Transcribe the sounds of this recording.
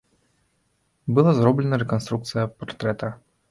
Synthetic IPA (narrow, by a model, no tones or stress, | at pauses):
bɨlˠazɾɔblʲɛnɐɾɛkɐnst̪ɾuk̚t̪sɨjɐpart̪ɾɛt̪ɐ